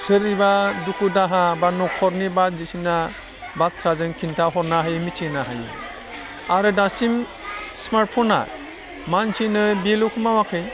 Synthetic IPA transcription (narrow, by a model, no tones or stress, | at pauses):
sɯɾnibadukʰudaɦabanɔkʰɔɾnibat̚zisina | bat̚tʰɾazɯŋkʰintʰaɦɔɾnaɦajmitʰinaɦajɯ̰ | aɾɯdasim | smaɾt̚pʰɔna̰ | mansinɯbilukʰumawakʰɯj